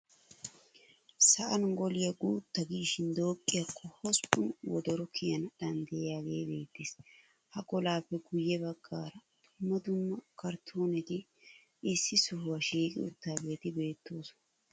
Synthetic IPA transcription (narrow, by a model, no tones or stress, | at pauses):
sɐʔɐnɡɔlɪjɐɡuːt̪ːɐɡiːʃɪnd̪o̞ːkʼːɪjɐkʰːɔhɔspːʊnwɔ̰d̪ɔɾɔkʰɪjɐnɗ̪ɐnd̪ɛjjaːɡe̞̰ːbe̞̰ːt̪ːeːs | hɐkɔlaːpːɛɡʊjːɛbɐɡːaːɾɐd̪̥ʊmːɐd̪ʊmːɐkɐɾt̪ʰo̞ːnɛt̪ɪ | ɪsːɪsɔɦʊwɐʃiːkʼɪ̰ʊt̪ːaːbe̞ːt̪ɪbe̞ːt̪ːoːsɔ̥